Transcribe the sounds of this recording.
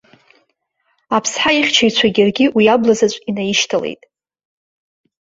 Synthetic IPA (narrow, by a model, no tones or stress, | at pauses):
apʰsħaiχʲt͡ʃʰajt͡ɕʷʰaɡʲirɡʲiwiablazat͡ʃʷʼinajiʃtʰalḛjtʼ